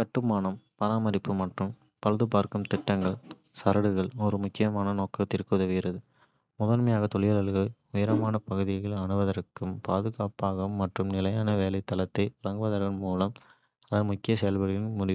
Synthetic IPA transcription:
kɐʈːɯmaːnɐmpɐɾaːmɐɾɪpːɯmɐʈrɯm | pɐlɐðɯpaːɾkɯmt̪ɪʈːɐŋɡɐɭ | sɐɾɐɽɯɣɐɭɔɾɯmʊkːɪjɐmaːnɐnoːkːɐt̪ɪɾkːɯðɐʋɪɾɐðɯ | mʊðɐnmɐjaːɣɐt̪ɔɭɪjɐlɐɭɣɯ | ʊjɪɾɐmaːnɐpɐɣɯðɪɐɣɐɭɐɳɯʋɐðɐɾɯkːɯmpaːðɯɣaːpaːɣɐmːɐʈrɯmnɪlɐjaːnɐʋeːlɐɪt̪ːɐlɐt̪ːɐɪɾɐŋɡɯʋɐðɐɾɣɐnmuːlɐm | ɐðɐmʊkːɪjɐsɛjɐlbɐɾɪjɪnmʊɽɪʋɯ

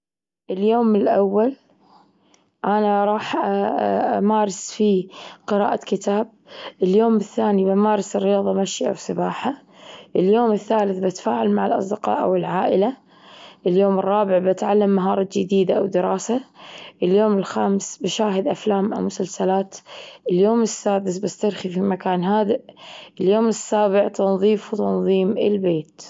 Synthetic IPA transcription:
ʔɪljoːmɪlʔawːal | ʔanaɾˤɑːħ | amaːɾˤɪsfiqɨɾa̰ːʔakɪt̪aːb̚ʔɪljoːmɪθːaːnibamaːɾˤɑsɪrːɪjɑːðˤɑmaʃʔa̰wsabaːħa | ʔɪljoːmɪθːaːlɪθbat̪ḁfaːʕalmaʕɪlʔɑ̰sˤd̪ɪqɑ̰ːʔa̰wɪlʕaːʔɪla | ʔɪljoːmɪrˤːɑːbɪʕbɪt̪ʕalːamːaɦɑːɾˤɑd͡ʒɪd̪iːd̪aʔawd̪ɪɾɑːsaʔɪljoːmɪlxaːmsbɪʃaːɦɪd̪ʔaflaːmʔa̰wmʊsalsalaːt̪ʔɪljoːmɪsːaːd̪ɪsbast̪aɾxifimakaːnɦaːd̪ɪʔʔɪljoːmɪsːaːbɪʕt̪ʰɑnðˤiːfwt̪ɑnðˤiːmɪ̰lbeːt̪

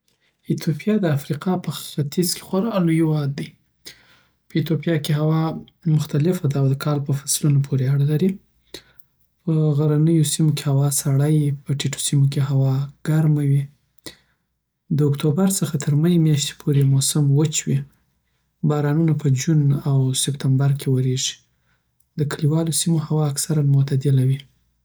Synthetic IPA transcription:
ɪt̪ʰopijɑd̪əafɾiqɑpəxxat̪izke̥xwaɾɑlojowɑd̪ːaj | pəit̪jopijɑkeɦawɑ | mʊxt̪alɪfad̪awad̪əkʰɑlpəfḁslunopʰoɾeaɽalaɾi | pəɣaɾanəjosimoke̥hawɑsaɽajpəʈiʈʰo̥simokeɦawɑɡ̥aɾmawi | d̪əːkt̪obaɾt͡səxat̪ʰəɾməjemjaʃt̪e̥pʰoɾemosamwət͡ʃwi | bɑɾɑnunapəd͡ʒunawsɪpt̪ambaɾkʰewəɾeʒi̥ | d̪əkəliwɑlosimohawɑːksaɾanmʊt̪ad̪ɪlawi

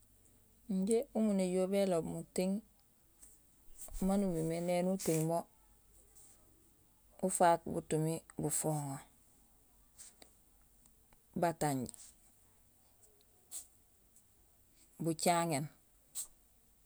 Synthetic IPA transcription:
ɲɟeumuneɟoːbelobmutiŋ | manumimenenutiŋmo | ufaːk̚bṵtumibufoːŋo | bataɲɟ | but͡ʃaŋen

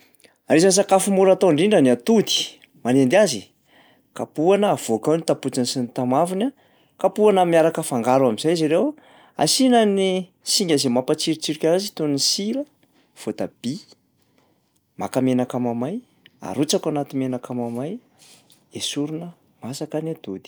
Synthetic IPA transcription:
aɾizans̬akafimuɾat̪oɳɖ͡ʐiɳɖ͡ʐaniat̪ud̪i̥ | manend̪azi | kapuanəːv̥okawnit̪aput͡sansinit̪amavina | kapuanəmiaɾakəfaŋɡaɾuamizajziɾew | a̰sinani | siŋɡazemapat͡siɾit͡siɾikʲaazit̪onnisiɾə | v̥ot̪ab̥i | makamenakamamaj | a̰ɾut͡sakanat̪imenakamamaj | esuɾunə | masakaniat̪ud̪i̥

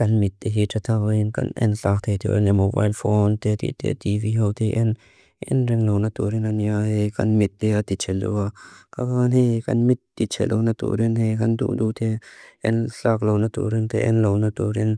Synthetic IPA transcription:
kanmit̪̚ːeɦeʈ͡ʂat̪ʰakəinka̰nʔḛnɬakt̪ʰet̪ʰḛenemoba̰ːjlfoːnt̪et̪ḭt̪ḛt̪iviɦowt̪ʰeʔen | ʔḛnɾɛŋlownat̪oɾinanjaheka̰nmit̪̚ːeat̪it͡ʃʰeldo̰wakakanɦeka̰nmit̪ːit͡ʃʰḛlʔo̰wnat̪ṵɾinhekant̪ṵːʔd̪ut̪ʰeʔenɬaklownat̪ṵɾint̪eʔḛnlownat̪oɾin

